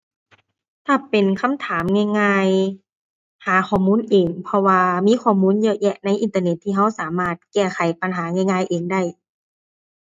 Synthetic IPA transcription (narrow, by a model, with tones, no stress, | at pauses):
t̪ʰaː˧˩pe˨˩nkʰa˧˥˨mt̪ʰaː˨˦mŋɛ˧ŋaː˧j | haː˨˦kʰɔː˧˩muː˧˥˨nʔeː˨˩ŋpʰɔ˧waː˧miː˧˥˨xʰɔː˧˩muː˧˥˨njɤ˧ʔjɛ˧na˧˥jʔiː˨nt̪a˧ne˧˩t̪ʰːiː˧˨ɦa˧˥˩wsaː˩˦maː˧˥˩t̪̚kɛː˧˩xa˨˩˦jpa˨nɦaː˩˦ŋaː˧˥˨ŋaː˧˨jʔeː˨˩ŋda˧˩j